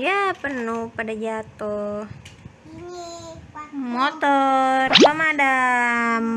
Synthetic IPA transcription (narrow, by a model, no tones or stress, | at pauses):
japənupadad͡ʒat̪oh | mot̪ɔrd͡ʒamaːda